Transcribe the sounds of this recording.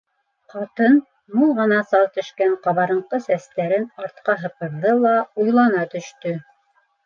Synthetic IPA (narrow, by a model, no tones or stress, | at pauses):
qɑt̪ɤn | mulˠʁɤ̆nɑsɑlˠt̪ɵ̆ʃkæɴqɑβɑɾɤ̆ɴqɤsæst̪æɾɘnɑɾt̪̚qɑɦɤ̆pɤ̆ɾðɤlˠɑujlˠɑnɑt̪ɵ̆ʃt̪ɵ